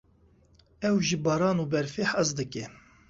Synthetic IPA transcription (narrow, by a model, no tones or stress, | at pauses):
ɛwʒibɑːɾɑːnuːbɛɾfeħɑzd̪ɨkɛ